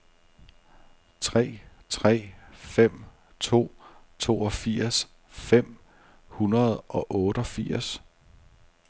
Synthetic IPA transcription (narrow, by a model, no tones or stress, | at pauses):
t͡sʰʁɛ̰ː | t͡sʰʁɛ̰ːfem̰ | t͡sʰo̝̰ːt͡sʰo̝̰ːɒ̽fiɐ̰s | fem̰ | hunɐð̞̩ˠɒ̽ʔɔ̽ːɾ̥əɒ̽fiɐ̰s